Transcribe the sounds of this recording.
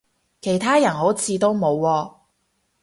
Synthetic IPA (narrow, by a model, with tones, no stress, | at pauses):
kʰe˨˩jt̪ʰaː˥jɐ˨˩nho˨˥wt͡sʰiː˧t̪o˥wmo˨˧wːɔː˧